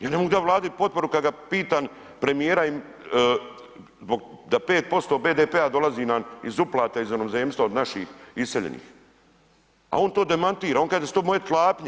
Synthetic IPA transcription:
jaːne̞moɡud̪aʋlaːd̪at̪̚po̞t̪̚po̞ɾukad̪ɡapiːt̪aːn | pɾe̞mijeːɾaimː | zboɡd̪apeːt̪̚po̞st̪o̞ːbeːd̪eːpead̪o̞laziːnanizuplˠaːt̪aizmenomzeːmst̪vaod̪naʃḭːxiseʎḛnḭːx | a̰o̞ːnt̪o̞ːd̪emant̪iːɾao̞ːŋkad̪est̪oːmojet̪lˠaːpɲe

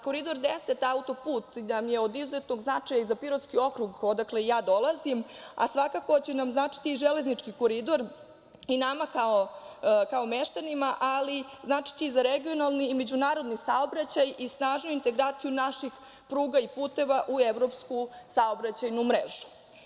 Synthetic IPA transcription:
ko̞ɾid̪o̞ɾd̪eset̪aut̪o̞puːt̪namje̞o̞d̪izet̪no̞ɡznat͡ʂajaizapiɾot̪skio̞kɾuɡod̪aklejaːd̪o̞lˠazima̰sʋakako̞t͡ɕenamznaːt͡ʃi̥t̪iːʒele̞znit͡ʂkiko̞ɾid̪o̞ɾ | inamakaokaomeʃt̪animaʔaliznaːt͡ʃi̥t͡ɕeizaɾeɡio̞nalˠniːme̞d͡ʑunaːɾo̞d̪nisao̞bɾat͡ɕajisnaːʒnojuint̪e̞ɡɾaːt̪sijunaʃix | pɾuːɡaipuːt̪e̞ʋaʔueʋɾo̞pskusaobɾat͡ɕajnumɾḛʒu̥

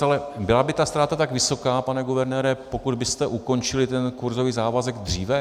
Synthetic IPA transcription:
alɛbɪlabɪt̪ast̪ɾaːt̪at̪aɡvɪso̞kaːpanɛɡuvɛɾnɛːɾɛpo̞kud̪̚bɪst̪ɛʔuko̞nt͡ʃɪlɪt̪ɛnkuɾzo̞viːzaːvazɛɡd̪r̝iːvɛ

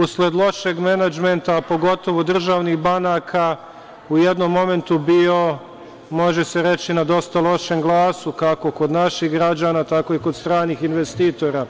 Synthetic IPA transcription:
usled̪lˠo̞ʃeɡmenad͡ʒment̪apo̞ɡo̞t̪o̞ʋod̪r̩ʒaːʋnixbanaːkʰa | ujed̪no̞mːo̞me̞nt̪ubio̞ | mo̞ʒe̞seɾe̞t͡ɕinad̪o̞st̪alˠo̞ʃe̞mɡlˠaːsukako̞ko̞d̪naʃiɣɡɾad͡ʑaːnat̪ako̞iko̞d̪st̪ɾaːnixinʋe̞st̪iːt̪o̞ɾaː

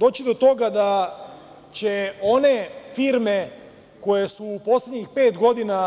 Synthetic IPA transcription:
d̪o̞ːt͡ɕid̪o̞t̪o̞ɡad̪a | t͡ɕeo̞ne̞fiɾme | ko̞jesuːpo̞slʲed̪ɲixpe̞ːt̪ɡo̞d̪ina

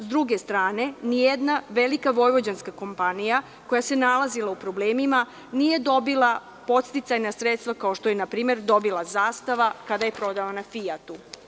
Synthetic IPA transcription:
zd̪ɾuɡe̞st̪ɾaːne̞nijed̪naʋe̞likaʋo̞jʋo̞d͡ʑanskako̞mpanija | ko̞jase̞nalazilˠaupɾo̞bleːmima | nije̞d̪o̞bilˠa | po̞t̪st̪it̪sajnasɾet̪st̪ʋakao̞ʃt̪ojenapɾiːme̞ɾd̪o̞bilˠazaːst̪aʋakad̪aje̞pɾo̞d̪aʋanafijat̪u

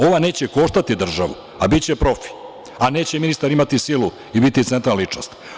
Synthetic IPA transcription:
o̞ʋane̞ːt͡ɕe̞ko̞ʃt̪at̪id̪r̩ʒaʋṵ | abit͡ɕe̞pɾo̞fi̥ | ane̞ːt͡ɕeminist̪aɾimat̪isilu | ibit̪it̪sent̪ɾallit͡ʃno̰st̪

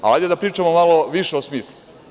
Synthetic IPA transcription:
ajd̪ed̪apɾiːt͡ʃamomalo̞ʋiʃeosmiːslu

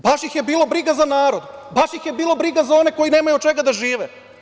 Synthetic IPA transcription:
baʃjixje̞biːlo̞bɾiɡazanaːɾo̞d̪baʃjixje̞biːlˠo̞bɾiɡazao̞ne̞ko̞jine̞ːmajut͡ʃe̞ɡad̪aʒiːʋe

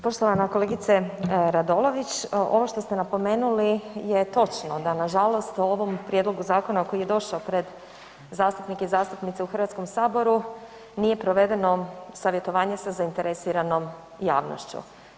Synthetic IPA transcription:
po̞ʃt̪oʋanako̞le̞ɡit̪seɾad̪olo̞ʋit͡ɕʔo̞ʋo̞ʃt̪o̞st̪e̞napo̞meːnulijet̪o̞t͡ʃnod̪anaʒalo̞st̪uoʋo̞mpɾje̞d̪loɡuzaːko̞nako̞jije̞d̪o̞ʃaopɾe̞d̪ | zaːst̪upnikeizaːst̪upnit̪seuxrʋat̪skomsaːbo̞ɾu | nije̞pɾoʋe̞d̪e̞no̞saʋje̞t̪o̞ʋaːɲe̞sazaint̪e̞ɾesiɾano̞m | ja̰ːʋno̰ʃt͡ɕṵ

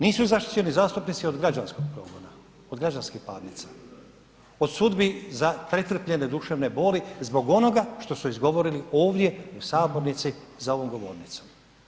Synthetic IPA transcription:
niːsuzaʃt̪i̥t͡ʃenizaːst̪upnit̪sio̞d̪ɡɾad͡ʒansko̞ɡ̚pɾo̞̰ːɡo̞na | o̞d̪ɡɾad͡ʒanskihpaːd̪nit̪sa | o̞d̪sud̪bizapɾet̪r̩pʎe̞ned̪uʃeːʋne̞bo̞ːlizbo̞ɡo̞no̞ɡaʃt̪o̞suizɡo̞ʋo̞ɾilio̞ːʋd̪je̞usaːbo̞ɾnit̪sizao̞ʋo̞mɡo̞ʋo̞̰ɾnit̪so̞m

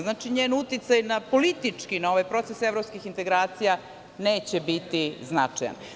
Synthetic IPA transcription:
znaːt͡ʃiɲeːnut̪it̪sajnapo̞lit̪it͡ʂkinao̞ʋajpɾo̞t̪se̞se̞vɾopskixint̪e̞ɡɾaːt̪sija | ne̞ːt͡ɕebit̪iznat͡ʂaja̰n

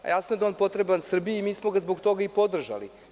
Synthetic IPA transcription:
jasnojed̪aonpo̞t̪ɾebansr̩bijimiːsmo̞ɡazbo̞ɡt̪o̞ɡaipo̞d̪r̩ʒa̰lḭ

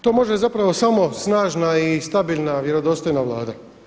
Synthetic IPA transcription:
t̪oːmo̞ʒezapɾaʋo̞samo̞snaːʒnaist̪abilnaʋjeɾo̞d̪o̞st̪ojnaʋlˠaːd̪a

